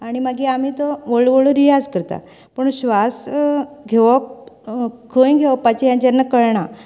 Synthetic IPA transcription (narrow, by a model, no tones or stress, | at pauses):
aɽ̃imaɡiam̤iːt̪ɔʋəɭʋəɭoɾijad͡zkəɾt̪a̰ | pəɳɕʋasɡʱeʋəp | kʰəj̃ɡʱeʋpːat͡ɕejãt͡ɕanːakəɭɳa